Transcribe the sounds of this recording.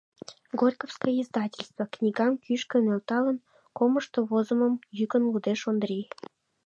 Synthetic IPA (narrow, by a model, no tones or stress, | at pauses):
ɡorʲkofskojəizd̪ɑtʲelʲst̪vəknʲiɡɑmkyʃkə̆nølt̪ɑlən | koməʃt̪oβozə̆məmjykənlud̪eʃond̪ɾʲi